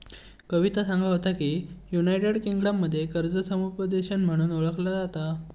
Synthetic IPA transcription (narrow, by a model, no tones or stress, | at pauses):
kəʋit̪asãŋɡʱɭaɦot̪akiːjunajʈeɽkiŋɡɽamːəd̪ʱːjekəɾd͡zəsəmupəd̪eɕənm̤əɽ̃uːnoɭəklad͡zat̪a